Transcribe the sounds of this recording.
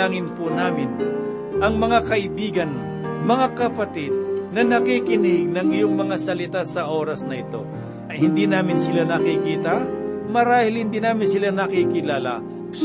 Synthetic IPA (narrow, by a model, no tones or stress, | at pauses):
aːŋɪnpunaːmɪn | ʔɐŋmɐŋakɐʔɪbiːɡɐn | mɐŋakɐpɐt̪ɪd̪̚nɐnɐkikɪnɪhɪɡ̚nɐŋɪjoŋmɐŋasɐlɪt̪asɐʔo̞ːɾɐsnɐʔɪt̪o̞̰ | ɐjhɪnd̪iːnaːmɪnsɪlanɐkikiːt̪ɐmɐɾaːhɪlhɪnd̪iːnaːmɪnsɪlanɐkikɪlaːlɐ̰ | s